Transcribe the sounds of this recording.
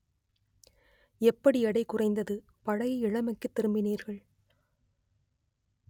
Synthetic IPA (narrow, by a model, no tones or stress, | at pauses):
ɛpːɐɽiɐɽɐɪkːʊrɐɪnd̪ɐðɯ | pɐɻɐjɪɻɐmɐkːɯt̪ːɪɾɯmbɪniːɾɣɐɭ